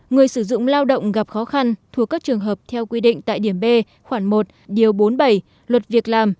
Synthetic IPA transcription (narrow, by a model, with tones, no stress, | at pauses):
ŋɨ˨˩əjsɨ˧˩zʊ̰˧˨ŋ͡mlaː˧wɗə̰˧˨wŋ͡mɣa˨˩p̚xɔ˨˦xa˧nt̪ʰu˨˩əkːaː˦˥k̚t͡ɕɨ˨˩əŋɦəː˨˩p̚t̪ʰɛ˧wkwi˧ɗḭ̈˧˨ŋ̟t̪a̰ː˧˨jɗi˧˩əmɓe˧ | xwaː˧˩ŋmo˨˩t̚ɗi˨˩əwɓo˨˦nɓa˧˩j | lwə˨˩t̚vi˨˩ək̚laː˨˩m